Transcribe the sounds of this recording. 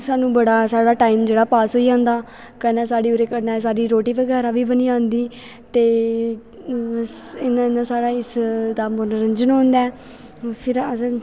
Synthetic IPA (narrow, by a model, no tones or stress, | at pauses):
saːnũːbəɽaːsaːɽaːʈaːiːmd͡ʒeːɽaːpaːsɦoːiːd͡ʒãːnd̪aː | kənɛ̃ːsaːɽiːoɾeːkənãːsaːɽiːɾoːʈiːʋəɡɛːɾaːʋiːbəniːãːnd̪iː | t̪eː | ɪnãːɪnãːsaːɽaːɪsd̪aːmonəɾənd͡ʒənõːnd̪aː | pʰɪɾ